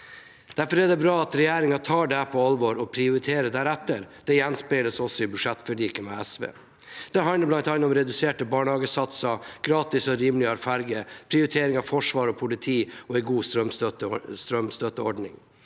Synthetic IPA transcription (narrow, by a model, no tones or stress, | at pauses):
d̪̥æɾfɔɾæɖɛbɾɑːɑt̪ɾɛjæːɾɪŋɑt̪ʰɑːɖɛpʰɔɑlʋɔːɾɔpʰɾɪʊɾɪt̪ʰeːɾəd̪æːɾæt̪ːəɾd̪̥ɛjɛnspɪləsɔsɔɪbʉʂɛt̪ːfɔɭiːkəmɛæsʋḛː | d̪̥ɛɦɑnləɾblɑnt̪ɑnːɔmɾɛd̪ʉseːʈəbɑːɳəhɑːɡəsɑt̪sɑɡ̥ɾɑːt̪ɪsɔɾiːmlɪɑɾfɑɾɡəpʰɾɪʊɾɪt̪ʰeːɾɪŋɑʋfɔʂʋɑːɾɔpʰʊlɪt̪ʰiːɔɛɪɡuːst̪ɾœmst̪ɾœmst̪œt̪ːəɔɖɳɪ̰ŋ